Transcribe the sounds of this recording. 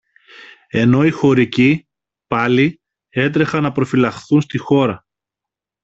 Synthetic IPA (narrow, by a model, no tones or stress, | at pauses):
e̞no̞ixo̞ɾici | pɐli | e̞t̪̬ɾe̞xɐnːɐpɾo̞filɐxθunst̪ixo̞ɾɐ